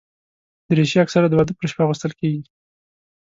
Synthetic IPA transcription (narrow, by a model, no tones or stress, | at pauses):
d̪̥əɾeʃiaksaɾad̪əwad̪əpəɾʃpaɣust̪əlkeɡi